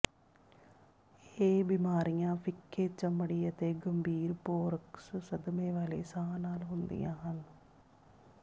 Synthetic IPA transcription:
eːbimaːɾijãːfikːeːt͡ʃɐmːɐɽijɐt̪eɡɐmbʱiːɾpoːɾɐksɨsɐd̪ɐmeːʋalḛːsaːnaːlɦund̪ḭjaːɐl

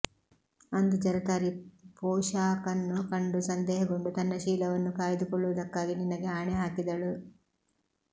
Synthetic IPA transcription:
ɐnd̪ud͡ʒɐɾɐt̪aːɾipɔːʃaːkɐnːukɐɳɖusɐnd̪ɛːɦɐɡoɳɖut̪ɐnːɐʃiːlɐʋɐnːukaːjd̪ukɔɭːuʋɐd̪ɐkːaːɡininːɐɡeaːɳɛɦaːkid̪ɐɭu

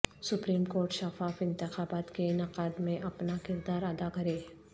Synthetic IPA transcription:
sʊpɾiːmkoːɾʈʃɐfaːfɪ̃nt̪ɪxaːbaːt̪keɪnaqaːd̪mẽʔɐpnakɪɾd̪aːɾɐd̪akɐɾeː

